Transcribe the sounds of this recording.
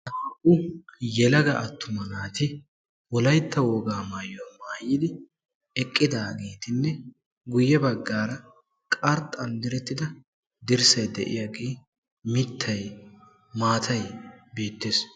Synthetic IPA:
ʔɐʔʊjɛlɐɡɐɐt̪ʰːʊmɐnaːt̪ɪ | wɔlɐjt̪ːɐwɔːɡaːmaːjɔwmaːjɪd̪ɪ | ɛkʼːɪd̪aːɡeːt̪ɪnːɛ | ɡʊjːɛbɐɡːaːɾɐ | kʼɐɾt̪ɐnd̪ɪɾɛt̪ːɪd̪ɐ | d̪ɪɾsɐjd̪ɛʔɪ̰jaɡeː | mɪt̪ʰːɐj | maːt̪ʰɐjbeːt̪ːeːs

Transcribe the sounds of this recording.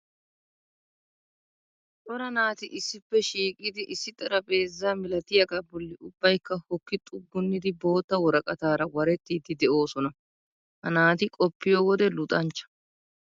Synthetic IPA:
t̪ʼɔɾɐnaːt̪ɪʔɪsːɪpːɛʃiːkʼːɪd̪ɪʔɪsːɪt̪ʼɐɾɐpʼe̞ːzːaːmɪlɐt̪ɪjɐkʼɐbɔlːɪʊbːɐjkːɐhɔkːɪt̪ʼʊɡːʊnːɪd̪ɪbo̞ːt̪ːɐwɔɾɐkʼɐt̪aːɾɐwɐɾɛt̪ːiːd̪ɪd̪ɛʔo̞ːsɔnɐ | hɐnaːt̪ɪkʼɔpːɪjoːwɔd̪ɛlʊt̪ʼɐnt͡ʃːɐ̥

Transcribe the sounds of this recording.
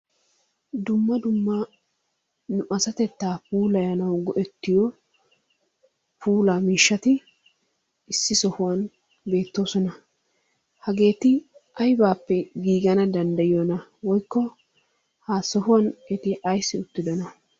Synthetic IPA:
d̪ʊmːɐd̪ʊmːɐ | nʊʔɐsɐt̪ɛt̪ːaːpuːlɐjɐnɐwɡɔʔɛt̪ːɪjɔ | pʰuːlaːmiːʃːɐt̪ɪ | ɪsːɪsɔhʊwɐn | be̞ːt̪ːo̞ːsɔnɐ | hɐɡe̞ːt̪ɪʔɐjbaːpːɛɡiːɡɐnɐd̪ɐnd̪ɐjɪjonɐwɔjkːɔ | haːsɔhʊwɐnɛt̪ɪʔɐjsːɪʊt̪ːɪd̪ɔnɐ

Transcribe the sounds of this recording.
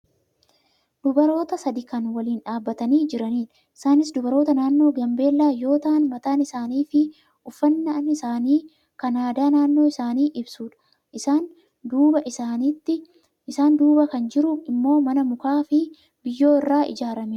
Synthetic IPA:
d̪̥ʊbɐɾo̞ːt̪ɐsɐd̪ɪkɐnwɐliːnᶑaːbːɐt̪ɐniːd͡ʒɪɾɐniːᶑɐʔɪsaːnɪsd̪ʊbɐɾo̞ːt̪ɐnaːnːo̞ːɡɐmbe̞ːlːaːjo̞ːt̪ɐʔɐnmɐt̪aːnɪsaːniːfɪ | ʔʊfːɐnːɐɐnɪsaːniː | kɐnaːd̪aːnaːnːo̞ːɪsaːniːʔɪbsuːᶑɐ̥ | ʔɪsaːn | d̪uːbɐʔɪsaːniːt̪ːɪ | ɪsaːnd̪uːbɐkɐnd͡ʒɪɾʊɪmːo̞ːmɐnɐmʊkaːfɪ | bɪjːo̞ːɪrːaːɪ̰d͡ʒaːɾɐme

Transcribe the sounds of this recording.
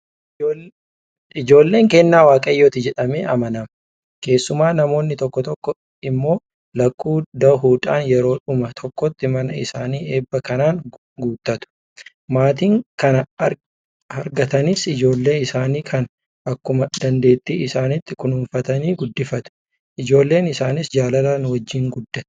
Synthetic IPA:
ɪd͡ʒo̞ːlːe̞ːŋkɛnːaːwaːkʼɐjːoːt̪ɪd͡ʒɛᶑɐmḛːʔɐmɐnɐm | ke̞ːsːʊmaːnɐmo̞ːnːɪt̪ɔkːɔt̪ɔkːɔ | ɪmːo̞ː | lɐkʼːuːd̪ɐɦuːᶑ̪a̰ːnjɛɾo̞ːᶑʊmɐt̪ʰɔkːɔt̪ːɪmɐnɐɪ̰saːniːe̞ːbːɐkɐnaːŋ | ɡuːt̪ːɐt̪ʊ̥ | maːt̪iːŋkɐnɐ | ɐɾɡɐt̪ɐnɪsɪd͡ʒo̞ːlːe̞ːɪsaːniːkʰɐn | ʔɐkːʊmɐd̪̥ɐnd̪e̞ːt̪ːiːɪsaːnɪt̪ːɪkʊnuːɱfɐt̪ɐniːɡʊd̪ːɪfɐt̪ʊ̥ | ʔɪd͡ʒo̞ːlːe̞ːnɪsaːnɪsd͡ʒaːlɐlaːnwɐd͡ʒːiːŋɡʊd̪ːɐt̪ʊ̥

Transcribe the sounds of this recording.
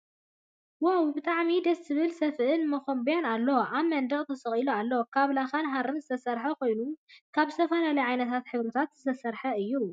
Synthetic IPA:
wɐwbɨt̪ʼaʕmid̪ɐst̪ʰɨβɨlsɐfʔɨnmɐxombjanalːɐʔaβmɐnd̪ɐχʼt̪ʰɐsɐχʼilualːɐokʰaβlaxanɦaɾɨnzɨt̪ʰɐsɐɾħɐkʰo̞jnukʰaβzɨ̥st̪ʰɐfɐlalɐjʕajnɐt̪ʰat̪ħɨβɾɨt̪ʰat̪z̥ɨt̪ʰɐsɐɾħɐɨjːu

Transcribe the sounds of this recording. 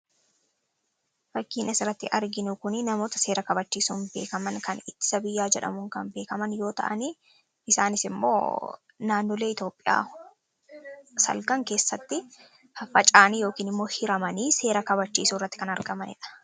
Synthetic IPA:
fɐkːiːnʔɛsɪrːɐt̪ːɪʔɐɾɡɪnʊkʊnɪnɐmo̞ːt̪ɐ̥se̞ːɾɐkɐbɐt͡ʃːiːsuːnbe̞̰ːkɐmɐŋkɐnɪt̪ːɪ̥sɐbɪjːaːd͡ʒɛᶑɐ̰mʊŋkɐnbe̞ːkɐmɐnjo̞ːt̪ɐ̰ʔɐniː | ɪsaːnɪsɪmːo̰ː | naːnːɔleːɪt̪o̞ːpʼːɪja̰ː | sɐ̰lɡɐŋke̞ːsːɐt̪ːɪ | hɐfɐt͡ʃʼaːnijo̞ːkiːnɪmːo̞ːhɪɾɐmɐniːse̞ːɾɐkɐβɐt͡ʃːiːsuːrːɐt̪ːɪ̥kɐnɐɾɡɐmɐnɪ̰ᶑɐ̥

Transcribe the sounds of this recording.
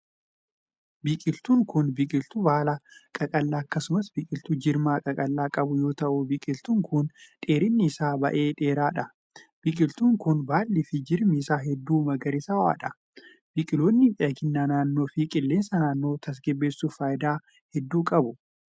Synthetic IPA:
biːkʼɪlt̪uːŋkʊnbɪkʼɪlt̪ʊbaːlakʼɐkʼɐlːaːɐkːɐsʊmɐsbikʼɪlt̪ud͡ʒɪɾmaːkʼɐkʼɐlːaːkʼɐbʊjo̞ːt̪ɐʔʊbiːkʼɪlt̪uːŋkʰʊnᶑʼeːɾɪnːɪːsaːbɐ̰ʔe̞ːᶑe̞ːɾaːᶑɐ | b̥ikʼɪlt̪uːŋkʊnbaːlːɪfɪd͡ʒɪɾmɪsaːɦɛd̪ːuːmɐɡɐɾɪsɐwa̰ːᶑɐ | b̥ɪkʼɪloːnːɪʔɛɐkɪnːaːnaːnːo̞ːfikʼɪlːe̞ːnsɐnaːnːo̞ːt̪ʰɐs̬ɡɛbːeːsːufaːjd̪aː | hɛd̪ːuːkʼɐbʊ

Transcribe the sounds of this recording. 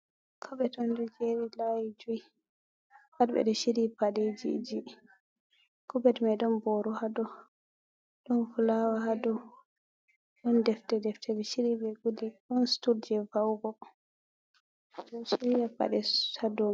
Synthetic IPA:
kʰɔbɛtɔndɔd͡ʒeɾilajid͡ʒui | wadbɛ̰ɗɔʃiɾipaɗed͡ʒḭd͡ʒi | kɔbɛtmajɗɔnbɔɾɔhadɔ | ɗɔnfulawaɦadɔ | ɗɔndɛftɛdɛftʰɛdɛʃiɾibɛɡuliɗɔnstuɾd͡ʒɛvawɡɔ | dɔʃiɾiapa̰ɗɛadɔ

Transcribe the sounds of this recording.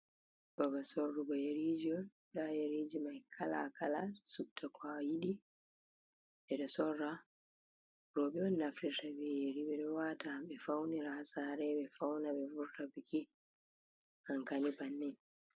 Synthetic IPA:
bɔbasɔrːuɡɔjeɾid͡ʒiɔn | ɗajeɾid͡ʒimajkʰala̰kʰalasuk̚tʰakwajiɗi | ɓɛɗɔsɔrːa | ɾɔɓɛɔnːaftiɾtabieɾiɓɛɗɔwataɓɛfawniɾasaɾɛɓɛfawnaɓɛvuɾtapiki | aŋkanibanːɛ

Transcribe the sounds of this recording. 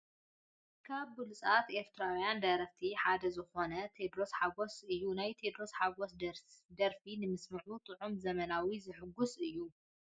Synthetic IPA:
kʰaβːɨlusʼat̪e̞ɾt̪ʰɨɾawjand̪ɐɾɐft̪ʰiħad̪ɐzɨxo̞nɐt̪ʰed̪ɾosħaɡosɨjːunajt̪ʰe̞d̪ɾosħaɡosd̪d̪ɐɾfinɨmɨsmɨʕut̪ʼɨʕumzɐmɐnawizɨħɨɡːusɨjːu

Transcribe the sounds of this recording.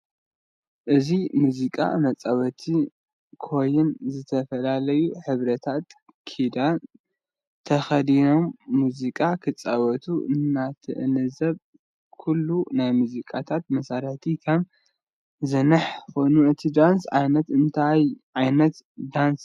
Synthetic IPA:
ʔɨzimuzikʼa̰mɐt͡sʼawɐt̪ʰi | kʰo̞jɪnzɨt̪ʰɐfɐlalɐjuħɨβɾɐt̪ʰat̪ | kʰid̪a | t̪ʰɐxɐd̪ino̞mːuzikʼakʰɨt͡sʼːawɐt̪ʰuʔɨ̰nːat̪ʰɨʔɨ̰nɨzɐβ | kʰulːunajmuzikʼat̪ʰat̪̚mɐsaɾɐħt̪ʰikʰɐm | zɨnɨħko̞jnuʔɨt̪ʰid̪ansʕa̰jnɐt̪ɨnt̪ʰajʕajnɐt̪d̪ans

